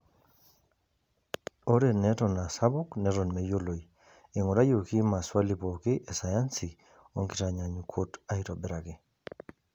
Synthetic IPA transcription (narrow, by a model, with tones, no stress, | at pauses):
o˦ɾe˨nɛ˦tɔ˨na˨sa˦bʊ˦knɛ˦ɾɔ˨nmɛ˦jo˦lo˨i˨ | ɪ˨ŋʊ˨ɾa˦jo˨ki˦ma˨swa˦li˨po˨kɪ˦ʔe˨sa˨ja˦nsi˨ | o˦ŋkɪ˦ta˨ɲa˨ɲu˨kʰo˦ta˦i˦tɔ˨bɪ˨ɾa˨ɡɪ˨